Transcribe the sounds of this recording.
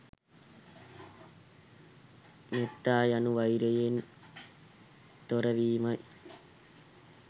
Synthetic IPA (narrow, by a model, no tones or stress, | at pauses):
net̪ːaːjɐnuʋɐjɾɐjen | t̪ɔɾɐʋiːmɐj